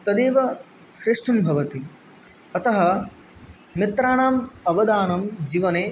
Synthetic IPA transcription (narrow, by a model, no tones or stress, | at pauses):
t̪ɐd̪eːʋɐ | ʃɾɪʂʈʰɐmbʱɐʋɐt̪i | ɐt̪ɐɦɐ | mit̪ɾaːɳaːmɐʋɐd̪aːnɐmd͡ʒiːʋɐneː